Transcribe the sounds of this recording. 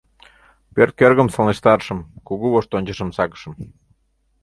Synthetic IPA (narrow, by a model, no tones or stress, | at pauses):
pørt̪̚kørɣə̆msɑlneʃt̪ɑrʃə̆mkuɣuβoʃt̪onʲt͡ɕə̆ʃə̆msɑkə̥ʃɤ̆m